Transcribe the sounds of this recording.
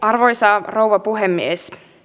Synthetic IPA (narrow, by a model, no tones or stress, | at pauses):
ɑrʋojsɑːrowʋɑpuɦemːies